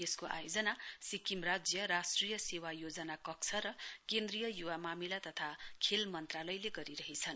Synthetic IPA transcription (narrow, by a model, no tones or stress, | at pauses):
eskoʔa̰jod͡zʌnasikimrad͡zjʌɾasʈrijʌsewajod͡zʌnakʌk̚t͡sʰʌɾʌkend̪rijʌjuwamamilat̪ʌt̪ʰakʰelmʌnt̪ralʌjleɡʌɾiɾʌɦit͡sʰʌn